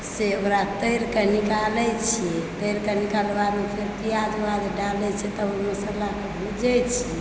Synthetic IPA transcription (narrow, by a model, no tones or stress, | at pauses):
seoɾat̪əjɾkenikalɛjt͡ʃʰɛt̪əjɾkenikalbamepʰeɾp̪ijad͡ʒwad̪ɖalɛt͡ʃʰɛt̪ɔoməsəlakebʱud͡ʒɛjt͡ʃʰɛ